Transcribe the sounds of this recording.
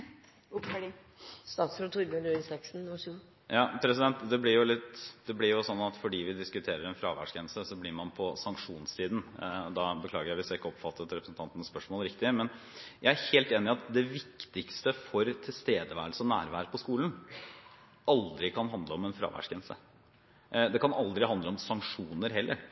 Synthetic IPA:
st̪ɑːt̪sɾut̪ʰuːɾməløsɛksn̩ʂu | jɑːpʰɾɛsɪd̪ɛnt̪d̪ɛblɪɾjʊlɪt̪ːd̪̥ɛblɪɾjʊsɔnːɑt̪fɔɖiːʋɪd̪ɪskʉt̪ʰeːɾəɾɛnfɾɑ̰ːʋæ̰ʂkɛnsəsɔblɪɾmɑnpʰɔsɑŋkʂuːnssiːd̪n̩d̪ɑbəkʰlɑ̰ːɡəɾjæɪʋɪsjæɪkːəɔpfɑt̪ːət̪ɾɛpɾəsn̩t̪ʰɑnənəspœʂmoːlɾɪk̚t̪ɪmɛn | jæɪæɾheːlt̪eːnɪɑt̪d̪ɛʋɪkt̪ɪkst̪əfɔɾt̪ʰɪlst̪eːd̪əʋæ̰ːɾəlsəɔnæ̰ːɾʋæːɾəpʰɔskuːln̩ | ɑld̪ɾɪkʰɑnɦɑnd̪ləɔmɛnfɾɑ̰ːʋæ̰ʂkɛnsə̰ | d̪ɛkʰɑnɑld̪ɾɪɦɑnd̪ləɔmsɑŋkʂuːnəɾɦɛlːə̰ɾ

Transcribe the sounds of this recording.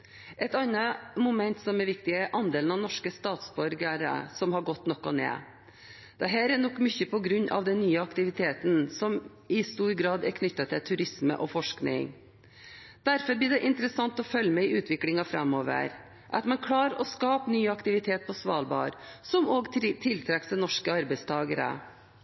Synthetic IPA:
ʔɛt̪ɑnːəmʊmɛnt̪sɔmɛɾʋɪkt̪ɪɛʔɑnd̪eːln̩ɑʋnɔʂkəst̪ɑːt̪sbɔɾɡəɾə̰sɔmhɑɾɡɔt̪ːnɔkːɔnḛː | d̪̥ɛɦæːɾænɔkːmʏçəpʰɔɡɾʉɲːʔɑ̰ʋd̪ɛnnːyːəɑkt̪ɪʋɪt̪ʰeːt̪nsɔm | ɪst̪uːɾɡɾɑːd̪ɛɾkʰnʏt̪ːɑt̪ʰɪlt̪ʰʉɾɪsmə̰ʔɔfɔʂknɪ̰ŋ | d̪̥æɾfɔɾb̪ɪːɖ̪ɛʔɪnt̪ɾəsɑŋt̪ɔfœlːəmæɪʉːt̪ʰʋɪklɪŋɑfɾɛmoːʋə̰ɾ | ʔɑt̪mɛnkʰɽɑːɾɔskɑːpnyːɑkt̪ɪʋɪt̪ʰeːt̪̚pʰɔsʋɑːlbɑ̰ːɾsɔmoːɡt̪ʰɪlt̪ʰɾɛksd̪ɛnɔʂkəɑɾbæɪst̪ʰɑːɡəɾə̰

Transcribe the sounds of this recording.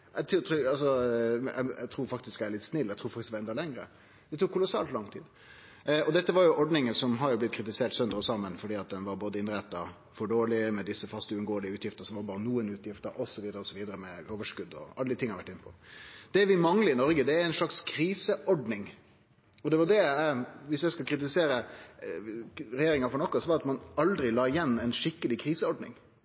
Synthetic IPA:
ɛt̪ʰːt̪ːɑlsɔɛ̰ɪɛ̰t̪ʰɾuːɾfɑkt̪ɪsk̪ææɾɭɪt̪ːsnɪlːɛt̪ʰuːfɑk̪ɪsd̪ʋɑɛnd̪ɑlɛŋɾə̰ | d̪̥ɛt̪ʰuːkʰːʊlʊsɑ̰ːlt̪lɑŋt̪ʰḭːd̪ | ɔd̪ɛt̪ːəʋɑɾjʊʔɔɖnɪŋənsɔmɦɑɾjʊblɪt̪̚ːkʰɾɪt̪ɪseːʈsœnd̪əɾɔsɑmːənfɔɖiːɑt̪̚d̪ɛnʋɑɾboːd̪əɪnɾɛt̪ːɑ | fɔɖoːlɪmɛd̪ɪsːəfɑst̪ʉʉnɡoːəlɪəʉːt̪jɪft̪əsɔʋɑbɑːɾənuːənʉːt̪ʰjɪft̪əɾɔsɔʋiːd̪əɾəɔsɔʋiːd̪əɾəmɛoːʋəʂkʉd̪ːɔ̰ɑləd̪ɪt̪ʰɪŋːɑɾʋæʈːɪnːəpʰɔd̪̥ɛʋɪmɑŋləɪnɔɾɡəd̪ɛæɾæɪnʂɭɑkskʰɾiːsəʔɔɖnɪŋ | ɔd̪ɛʋɑd̪ɛæʋɪsjæɪskɑlkʰɾɪt̪̬ɪseːɾə | ɾɛjeːɾɪŋɑfɔɳɔkːɔsɔʋɑɾɑt̪mɑnɑld̪ɾɪlɑːɪjɛnːæɪnʂɪkːəlɪkʰɾiːsəɔɖnɪ̰ŋ

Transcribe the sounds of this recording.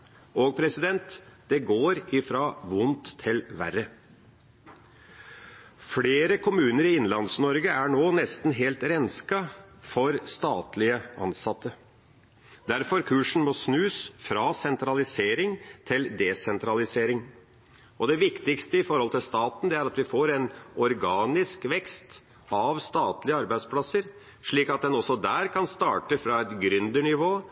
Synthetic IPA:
oɡ̚pʰɾɛsɪd̪ɛnt̪d̪̥ɛɡoːɾɪfɾɑːʋʊnt̪ʰːɪlʋæ̰ɾə | fleːɾəkʰʊmʉːnəɾɪɪnlɑnsnɔɾɡəæɳoːnɛst̪n̩ɦeːlt̪ɾɛnskɑfɔɾst̪ɑːt̪lɪəʔɑ̰nsɑt̪ːə | d̪æɾfɔɾkʰʉːʂn̩mɔsnʉːsfɾɑːsɛnt̪ɾɑlɪseːɾɪŋt̪ʰɪld̪ɛsɛnt̪ɾɑlɪseːɾɪŋ | ɔd̪ɛʋɪkt̪ɪkst̪əɪfɔɾhɔlt̪ʰɪlst̪ɑːt̪n̩d̪ɛæɾɑt̪ʋɪfoːɾɛnɔɾɡɑːnɪskʋɛkst̪ | ɑʋst̪ɑːt̪lɪəɑɾbæɪd̪spʰlɑsəɾ | ʂɭiːkɑt̪̚d̪ɛnɔsːɔd̪æːɾkʰɑnst̪ɑːʈəfɾɑɛt̪ɡɾʏnd̪əɳɪʋoː

